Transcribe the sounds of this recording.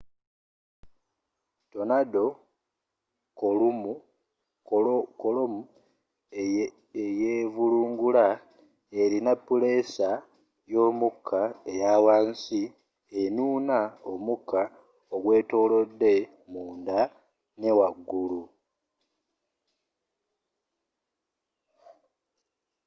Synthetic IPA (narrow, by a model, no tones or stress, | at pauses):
to̞nado̞ | kolum | kolomu | ejevuluːŋɡula | e̞ɾinapːule̞sa | jo̞ːmukʰːae̞jawaːnsi | enuːnaomukʰːa | oɡwe̞ːto̞ːlo̞dːe̞ | muːnda | ne̞waɡːulu